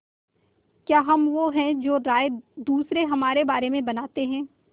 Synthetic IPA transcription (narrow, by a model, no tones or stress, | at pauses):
kjaːɦɐmʋoɦɛ̃d͡ʒoːɾaːed̪uːsɾeɦɐmaːɾebaːɾemẽbɐnaːt̪eɦɛ̃ː